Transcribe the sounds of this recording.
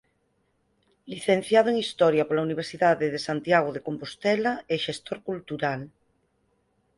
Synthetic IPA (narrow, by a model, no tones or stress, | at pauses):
liθẽn̟θjað̞oeŋist̪ɔɾjapolauniβ̞eɾsiðaðeðesant̪jaɣ̞oðekompost̪ɛlaeʃest̪oɾkult̪uɾal